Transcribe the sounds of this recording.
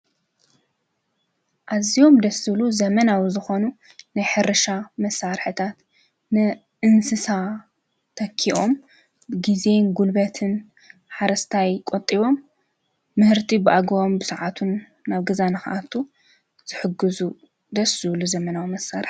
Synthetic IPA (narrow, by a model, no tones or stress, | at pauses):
ʔazio̞md̪ɐsɨluzɐmɐnawizɨxo̞nu | najħɨɾɐʃamɐsːaɾħɨt̪ʰat̪ | nɨ | ʔɨnsɨsa | t̪ʰɐkʰːiʔo̞m | ɡize̞nɡulbɐt̪ʰɨn | ħaɾɐst̪ʰajkʼot̪ʼiβo̞mː | ɨhɨɾt̪ʰibɨʔaɡombɨsɨʕat̪ʰunː | aβɡɐzanɨxaʔat̪ʰu | z̥ɨħɨɡɨzu | d̪ɐsɨβluzɐmɐnawimɐsːaɾħ